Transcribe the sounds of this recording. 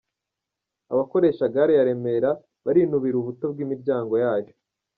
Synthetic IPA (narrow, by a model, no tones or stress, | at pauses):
a̰βako̞ɾe̞ːʃaɡaɾejaɾe̞meɾa | βaɾinuβiɾuβuto̞bɡiːmiɾɟaːŋɡo̞jaːjo